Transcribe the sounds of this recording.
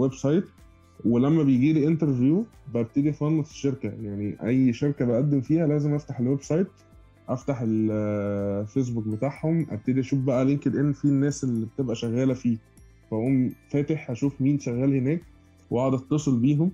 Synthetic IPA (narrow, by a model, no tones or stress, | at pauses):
websɑjt̪ | welæmːæbejɡiːlʔent̪eɾvjuː | beʔæb̚t̪ed̪ifɑnːɑsʃeɾkæjaʕniʔæjːʃeɾkæbæʔæd̪ːemfiːhælæːzemʔæft̪aħelwebsɑjt̪̚ | ʔæft̪aħel | fes̬buk̚bet̪aʕhomʔæ̰b̚t̪ed̪iʔæʃuːfbæʔæleŋked̪ʔenːfinːæːselːibet̪ebʔæʃæɣːæːlæfiː | fæʔæʔuːmfæːt̪eħʔæʃuːfmiːnʃæɣːæːlhenæːk̚ | wwɑʕd̪ɑt̪ˤːɑsˤelbiːɦom